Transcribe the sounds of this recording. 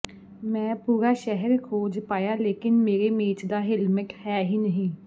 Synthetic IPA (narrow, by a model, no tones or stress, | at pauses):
mɛ̃ːpuːɾaːʃɛɦəɾkʰoːd͡ʒpaːjaːleːkɪnmeːɾeːmeːt͡ʃd̪aːɦɪlmɪʈhɛːɦiːnəɦĩː